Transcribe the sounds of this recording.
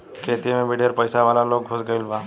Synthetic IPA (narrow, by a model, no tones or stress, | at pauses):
kʰeːt̪imẽbʱiɖʱeɾpəjsaʋaːlaloːɡ̚ɡʱosɡəɪlʋaː